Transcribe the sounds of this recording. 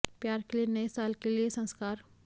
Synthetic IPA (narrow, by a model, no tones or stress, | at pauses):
pjaːɾkelienɐesaːlkeliesɐ̃nskaːɾ